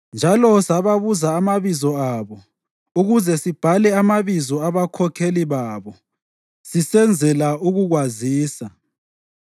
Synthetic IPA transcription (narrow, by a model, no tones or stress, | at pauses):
nd͡ʒʱalɔsaβaβuzaːmaβizɔaβɔ | uɣuzɛsib̥ʱalɛamaβizɔaβakʰɔkʰeliβaβɔ | sisɛnd͡zʱɛlauɣuɣwaziːsa